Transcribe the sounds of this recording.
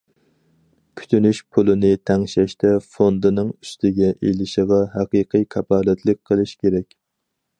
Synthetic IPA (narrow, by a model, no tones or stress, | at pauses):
kʲʰy̥t̪ʰynyʃpʰulˠɨnɪt̪ʰɛŋʃɛʃt̪ɛfond̪ɨnɨŋyst̪ɪɡʲɛʔejlɪʃəʁɑɦæqiqʰɨjkʲʰɑpɑːlɛt̪ʰlɨk̚ʲqʰəlˠɨʃkʲʰeɾɛkʲ